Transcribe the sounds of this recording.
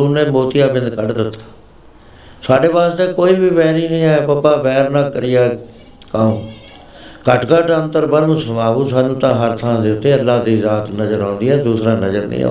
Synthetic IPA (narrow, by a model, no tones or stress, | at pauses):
uːneːmoːt̪ɪjaːbɪ̃nd̪kəʈd̪ɪt̪ːḁː | saːɖeːbaːst̪eːkoːiːbiːbɛːɾiːnĩːɛ̃ːpapːaːbɛːɾnaːkəɾɪjaː | kaːũː | kəʈkəʈə̃nt̪əɾbəɾməsəmaːuːsaːnũːt̪ãːɦəɾt̪ʰãd̪ɪʊt̪ːeːəlːaːd̪iːzaːt̪nəzəɾãːnd̪iːɛːd̪uːsɾãːnəzəɾnḭːa̰ː